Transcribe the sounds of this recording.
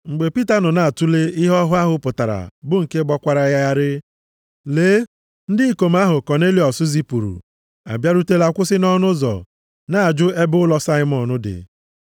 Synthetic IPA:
ŋ͡m̩˨ɡ͡be˨pi˦ta˨nɔ˨na˨a˨tu˦le˦i˦ɦɔ˦ɦʊ˦a˦ɦʊ˦pʊ˨ta˨ɾa̰˨bʊ˦ŋ̩˨ke˦ɡ͡bɔ˦kʷa˨ɾa˨ja˦ja˦ɾɪ˦ | leː˨˦ | n̩˦dɪ˦i˦ko˨ma˦ɦʊ˨kɔ˨ne˦li˨ɔ˨sʊ˦zi˦pu˨ɾṵ˨ | a̰˨bja˦ɾu˦te˦la˦kʷʊ˦sɪ˦nɔ˦nʊ˦zɔ̰˨ | na˨a˨d͡ʒʊ˦e˦bʊ˦lɔ˦sa˦ɪ˦mɔ˨nʊ˦dɪ̰˨

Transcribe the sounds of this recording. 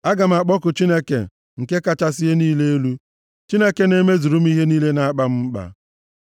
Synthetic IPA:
a˦ɡa˨m̩˨a˨k͡pɔ˦kʊ˨t͡ʃi˦ne˦kḛ˨ | ŋ̩˨ke˦ka˦t͡ʃa˦sɪ˦e˦niː˦le˦e˦lu˦ | t͡ʃi˦ne˦ke˦ne˦me˦zu˨ɾu˦m̩˦i˦ɦe˦niː˦le˦na˨a˦k͡pa˦m̩˦m̩˦k͡pa̰˨

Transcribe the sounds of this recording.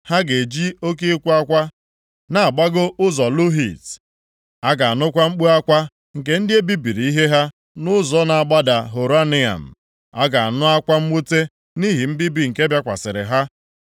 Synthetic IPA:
ha˦ɡe˨d͡ʒi˦o˦k̬i˦kʷu˦a˦kʷa˦ | na˨a˨ɡ͡ba˦ɡʊ˦ʊ˦zɔ˨lu˦ɦi˨t | a˦ɡa˨a˨nʊ˦kʷa˦ŋ͡m̩˦k͡pu˦a˦kʷa˦ | ŋ̩˨k̬e˦n̩˦dɪ˦e˦bi˦bi˨ɾi˨˦i˦ɦe˦ɦa˦ | nʊ˦zɔ˦na˨a˨ɡ͡ba˦da˨ɦo˨ɾa˦nɪ˦a̰˨m̩˨ | a˦ɡa˨a˨nʊ˦a˦kʷa˦m̩˦mu˦te˦ | ni˦ɦi˨m̩˦bi˦bi˨ŋ̩˨ke˦bja˦kʷa̰˨sɪ˨ɾɪ̰˨ɦa˦

